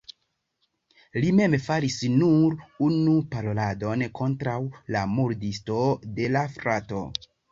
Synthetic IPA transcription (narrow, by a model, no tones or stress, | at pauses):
lime̞mfaɾisnuɾunupaɾolado̞nkʰo̞ntɾawlamuɾdisto̞de̞lafɾato̞̰